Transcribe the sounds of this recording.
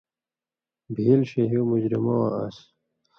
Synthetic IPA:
bʱiːlɕeɦumud͡ʑɾimoːa̰s

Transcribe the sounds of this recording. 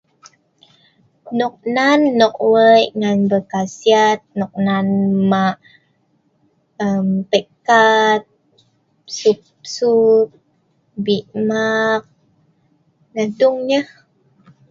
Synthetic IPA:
nɔk̚nanːɔk̚wəjŋanbəkasiat̪̚nɔk̚nanmaʔ | əmpəkat̪̚ | sup | sup̚ | biʔmak̚ | nəduŋɲəh

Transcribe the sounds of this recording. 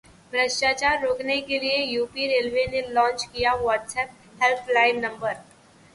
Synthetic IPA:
bɾəʃʈaːt͡ʃaːɾːoːknekeliejuːpiɾeːlʋenelɔ̃ːnt͡ʃkijaʋɔːʈsɛːp̚ | hɛlpʰlaːɪnnɐ̃mbəɾ

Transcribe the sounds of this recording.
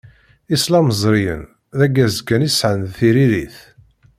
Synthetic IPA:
islɑməzˤɾijə̰n | ðæɡːæzkːænisʕənðθiɾiɾiθ

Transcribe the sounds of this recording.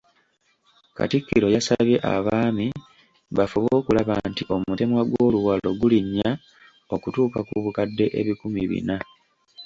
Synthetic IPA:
ka̰tikːiɾo̞jasaβje̞ʔa̰βaːmi | βafuβo̞ːkulaβantiʔo̞mute̞mwaɡwo̞ːluwalo̞ɡuliɲːa | o̞kutuːkakuβukadːe̞ʔeβikumiβḭna

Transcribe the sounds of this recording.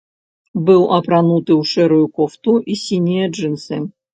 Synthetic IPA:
bɨlˠɐpɾɐnut̪ɨuʂɛɾujukoft̪uʔisʲinʲijɛʐɨnsɨ

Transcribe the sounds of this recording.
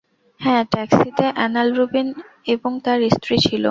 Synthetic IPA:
hɛ̃ʈɛksit̪eʔɛnalɾubin | eboŋt̪aɾːisʈɾit͡ɕʰilo̰

